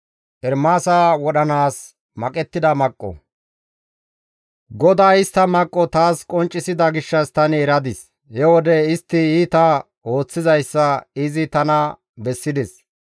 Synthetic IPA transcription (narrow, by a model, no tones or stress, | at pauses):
ʔɛɾmaːsawɔɗɐnaːs | mɐkʼɛt̪ːɪd̪ɐmɐkʼːɔ̰ | ɡɔd̪aːɪst̪ːɐmɐkʼːɔt̪aːskʼɔnt͡ʃʼːɪsɪd̪ɐɡɪʃːɐst̪ɐnɪɛɾɐd̪ɪs | hɛwɔd̪ɛɪst̪ːɪiːt̪ɐ | o̞ːt͡sːɪzɐjsːɐɪzɪt̪ɐnɐ | bɛsːɪd̪ɛs